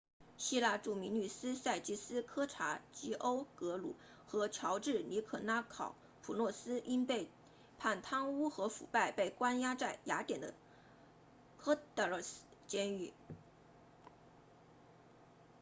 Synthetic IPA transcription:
ɕi˥la˥˧ʈ͡ʂu˥˩mi˧˥ŋny˨˩sɹ̩˥sa˥˩ɪt͡ɕi˥sɹ̩˥kʰɤ˥ʈ͡ʂʰa˧˥t͡ɕi˧˥ʔo˥ʊkɤ˧˥lṵ˨˩˦ | xɤ˧˥t͡ɕʰjɑ˧˥ʊʈ͡ʂɻ̩˥˩ni˧˥kʰɤ˨˩na˥kʰɑ˨˩˦ʊ | pʰu˨˩lwɔ˥˩sɹ̩˥ʔi˥npe˥˧ɪ | pʰa˥˩nt̪ʰɑ˥ŋu˥xɤ˧˥fṵ˨˩pa˥˩ɪpe˥˩ɪkwa˥nja˥t͡sa˥˩ɪja˧˥t̪jɛ˨˩nd̪ə̰˦ | kʰɤ˥t̪ə˧˥˨st͡ɕjɛ˥ny˥˩

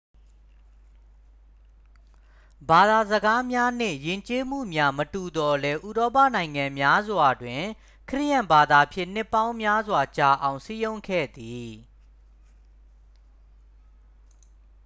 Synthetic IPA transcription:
ba˨d̪a˨zəɡa˦mja˦n̥ɪ̰̃˦˨jɪ̃˨ɲt͡ɕe˦m̥ṵ˦˨mja˦mətu˨d̪ɔ˨lɛ˦ʔu˨ɾɔ˦p̬ä̰˦˨nã˨ɪ̃ŋã˨mja˦zwa˨dwɪ̃˨ | kʰəɹɪ̰˦˨jã˨mba˨d̪a˨pʰjɪ̰̃˦˨n̥ɪ˦˨pːã˦ʊ̃mja˦zwa˨t͡ɕa˨ʔã˨ʊ̃si˦jõ˦ʊ̃ŋkʰɛ̰˦˨d̪i˨

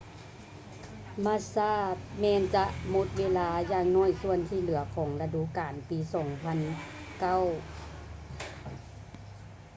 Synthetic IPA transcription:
maː˧˥˨saː˧˥˩t̪̚mɛː˧˥˨nt͡ɕa˧ʔmo˧˦t̪̚weː˧˥˨laː˧˥jaː˧˨ŋnɔː˧˥˨jsu˧ənsʰiː˧˩˨lɯ˨˩˦ɐkʰɔː˨˩˦ŋla˧du˧˨kaː˨npiː˨˦sɔː˨˩˦ŋpʰa˧˥˨nka˥˩˨w

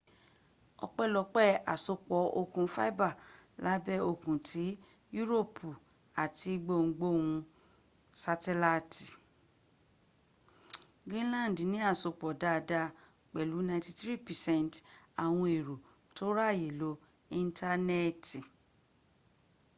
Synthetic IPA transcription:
ɔ̰˧k͡pɛ˦˨lɔ˧k͡pɛ˦˨a˨so˧k͡pɔ˨˦o˧kũ˨fa̰˦i˦ba˦˨la˨˦bɛ˦o˧kũ˨tʰi˨˦ | ju˦ɾo˦˨pʰu˨ | a˨ti˧ɡ͡bo˦˨ŋ̩˨˦ɡ͡bo˦˨hũ˧ | sa˧tɛ˧˦la˧ti˨ | ɡɾĩ˦n˦lã˦˨n˨dnĩ˨˦a˦˨so˧k͡pɔ˨da˦˨da˧ | k͡pɛ˨lu˨˦nã˧ĩ˦ti˧θɾi˦˨pɛ˨sɛ̃˦˨n˨ta˨w̃ɔ̃˧e˨ɾo˨ | to˦ɾa˦˨je˨lo˨˦ | ĩ˧ntʰa˧nɛ˦ti˨

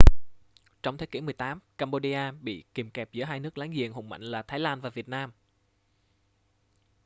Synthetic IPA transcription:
t͡ɕɔ˧wt̪ʰe˨˦ki˧˩˦mɨ˨˩əjt̪aː˨˦mkaː˧mɓo˧ɗi˧ʔaː˧ɓḭ˧˨ki˨˩mkɛ˨˩p̚zɨ̰˧˥əɦaː˧jnɨ˦˥ək̚laː˨˦ŋzi˨˩əŋhʊ̰˨˩ŋ͡mma̰˧˨jŋ̟laː˨˩t̪ʰaː˨˦jlaː˧nvaː˨˩vi˨˩ət̚naː˧m

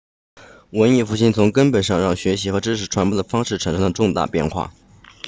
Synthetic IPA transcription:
wə˧˥ni˥˩fu˧˥˩ɕi˥nt͡sʰʊ˧˥ŋkə˥npə˨˩nʂɑ˥˧ŋɻɑ˥˩ŋɕɥɛ˧˥ɕi˧˥xɤ˧˥ʈ͡ʂɻ̩˥ʂ̬ɻ̩˧˥ʈ͡ʂʰwa˧˥npwɔ˥˩d̪ə˩fɑ˥ŋʂɻ̩˥˩ʈ͡ʂʰə˧˥nʂɤ˧˥ŋlə˩ʈ͡ʂʊ˥˧ŋt̪a̰˥˧pjɛ̰˥˧nxwa̰˥˩

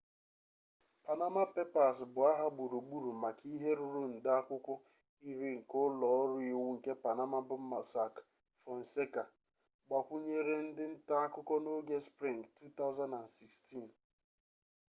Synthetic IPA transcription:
pa˨na˦ma˦pe˦pa˨sbʊ˨a˦ɦa˦ɡ͡bu˨ɾu˨ɡ͡bu˦ɾu˨ma˨kʰi˦ɦe˦ɾu˦ɾu˦n̩˨dɪ˦a˦kʷʊ˦kʷʊ˦ | i˦ɾi˦ŋ̩˨kʊ˦lɔ˨˦ɾʊ˦i˨wu˦ŋ̩˨ke˦pa˨na˦ma˦bʊ˦m̩˦ma˨sa˦˨k | fɔ˨n̩˨se˦ka˨ | ɡ͡ba˨kʷu˦ɲe˦ɾe˦n̩˦dɪ˦n̩˦ta˦a˦kʊ˦kɔ˦no˦ɡe˦spɾi˦˨ŋktu˦t̪a˦ʊ˦za˦nda˨nsi˨ksti˦˨n

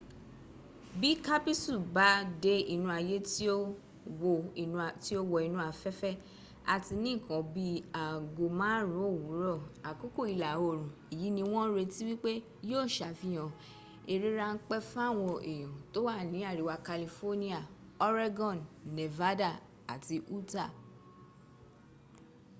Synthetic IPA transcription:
bi˦ka˦pi˦su˦˨ba˨˦de˧˦i˨nũ˧˦a˧je˦ti˦o˦ | wõ˧˨˧ti˦o˦wɔ˧i˧nũ˦a˨fɛ˦fɛ˦ | a˨ti˧nĩ˦˨kɔ̃˨˦bi˦a˨ɡo˨mãː˦ɾũ˨˦o˦˨wu˨˦ɾɔ˦˨a˨ko˦ko˦˨i˧la˨o˦˨ɾ̃ũ˨i˨ji˨˦nĩ˧w̃ɔ̃˦ɾe˧ti˦wi˦k͡pe˦ | joː˦˨ʃa˨fĩ˨˦j̃ɔ̃˧˨ | e˨ɾi˦ɾa˧n̩˦k͡pɛ˦fa˦˨w̃ɔ̃˧ʔe˨j̃ɔ̃˨to˦wa˦˨nĩ˨˦a˦˨ɾi˨˦wa˧ka˧li˧fo˦nĩ˦a˨ɔ˦ɾa˦ɡɔ̃˦˨nːe˨va˦da˦˨ | a̰˨ti˧ʔu˦ta˦˨

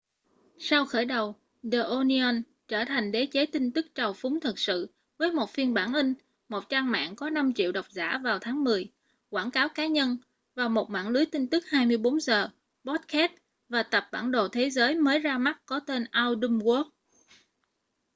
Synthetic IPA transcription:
sa˧wxəː˧˩jɗə˨˩w | ɗə˨˩ʔo˧ni˧ə˧n | t͡ɕəː˧˩t̪ʰa˨˩jŋ̟ɗe˨˦t͡ɕe˨˦t̪ï˧ŋ̟t̪ɨ˦˥k̚t͡ɕə˨˩wfʊ˨˦ŋ͡mt̪ʰɨ˨˩k̚sɨ̰˧˨ | vəː˨˦jmo˨˩t̚fi˧ənɓaː˧˩nlï˧ŋ̟ | mo˨˩t̚t͡ɕaː˧ŋma̰ː˧˨nkɔ˨˦na˧mt͡ɕḭ˧˨əwɗə˨˩wk͡p̚za̰ː˧˩vaː˨˩wt̪ʰaː˨˦ŋmɨ˨˩əj | kwaː˧˩nkaː˨˦wkaː˨˦ɲə˧n | vaː˨˩wmo˨˩t̚ma̰ː˧˨nlɨ˨˦əjt̪ï˧ŋ̟t̪ɨ˦˥k̚haː˧jmɨ˧əjɓo˨˦nzəː˨˩ | ɓɔ˦˥t̚kɛ˦˥t̚ | vaː˨˩t̪ə˨˩p̚ɓa̰ː˧˩nɗo˨˩t̪ʰe˨˦zəː˨˦jməː˨˦jzaː˧ma˦˥t̚kɔ˨˦t̪e˧nʔaː˧wɗɨ˧mku˦˥ək̚

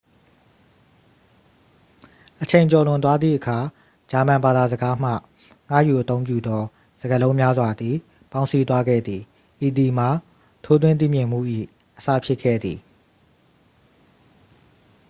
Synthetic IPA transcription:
ʔət͡ɕʰẽ˨ɪ̃ɲt͡ɕɔ˨lʊ̃˨t̪̬wa˦d̪ðḭ˦˨ʔəkʰa˨ | d͡ʑa˨mã˨mba˨d̪a˨zəɡa˦m̥ä̰˦˨ | ŋ̥a̰˦˨ju˨ʔət̪õ˦ʊ̃mp̬jṵ˦˨d̪ɔ˦ | z̥ə˨ɡə˨lõ˦ʊ̃mja˦zwa˨d̪ði˨ | pã˦ʊ̃nsi˦t̪̬wa˦ɡɛ̰˦˨d̪ði˨ | ʔi˨d̪i˨m̥a˨ | tʰo˦t̪wɪ̃˦˨nt̪̬ḭ˦˨mjɪ̃˨m̥ṵ˦˨ʔḭ˦˨ | ʔəsa̰˦˨pʰjɪ˦ʔkʰːɛ̰˦˨d̪ðḭ˨

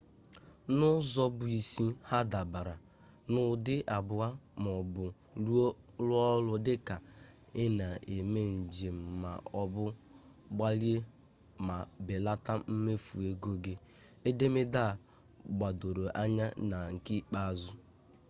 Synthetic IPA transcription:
nʊ˦zɔ˦bʊ˨i˨si˦ha˦da˨ba˨ɾa˨ | nʊ˦dɪ˦ʔa˨bʊ˨a˦m˨ɔ˨bʊ˨ | lu˦ | lʊ˦ɔ˦lʊ˦dɪ˦ka˨ | ɪ˦na˨e˨me˦n̩˨d͡ʒe˨m̩˨ma̰˨ɔ˦bʊ˦ | ɡ͡ba˦lje˦ | ma˨be˨la˦ta˦m̩˦me˦fu˨e˦ɡo˦ɡe˦ | e˦de˦me˦da˦˨ | ɡ͡ba˨do˨ɾo˨ʔa˦ɲa˦na˨ŋ̩˨ki˦k͡pa˦a˨zʊ˦

